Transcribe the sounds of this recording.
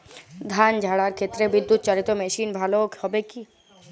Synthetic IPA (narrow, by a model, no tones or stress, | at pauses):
d̪ʱand͡ʑʱaɽaɾkʰet̪ːɾebid̪ːut̪ːt͡ɕaɽit̪omeʃinbʱalohɔbeki